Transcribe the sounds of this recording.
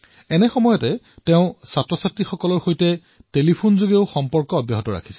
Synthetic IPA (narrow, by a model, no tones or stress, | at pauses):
ɛnɛxɔmɔjɔtɛ | teʊ̃satɹɔsatɹixɔkɔlɔɹxojtɛ | telipʰonzoɡeʊxɔmpɔɹkɔːbjɔɦɔtɔɹa̰kʰi̥sɛ̥